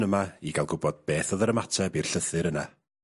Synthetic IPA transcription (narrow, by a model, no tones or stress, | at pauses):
əmaiɡalˠɡʊbɔd̚b̥eːθɔðəɾəmatʰɛbir̥ɬəθɨɾəna